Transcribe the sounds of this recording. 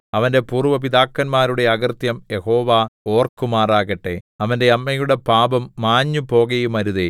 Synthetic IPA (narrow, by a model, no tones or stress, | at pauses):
ɐʋɐnde̞puːrʋɐp̬iðaːkːɐnmaːɾuɽe̞ɐɣɐrt̪jɐmje̞ho̞ːʋaːo̞ːrkumaːraːɣɐʈːe̞ɐʋɐnde̞ɐmːɐjuɽe̞paːbɐmːaːɲːupo̞ːɣɐjumɐɾuðe